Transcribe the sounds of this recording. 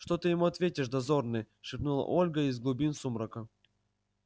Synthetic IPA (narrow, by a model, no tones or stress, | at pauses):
ʂt̪ot̪ɨjɪmuɐt̪vʲetʲɪʂd̪ɐzornɨj | ʂɨpnulˠə̰ʔolʲɡəizɡlˠʊbʲinsumɾəkə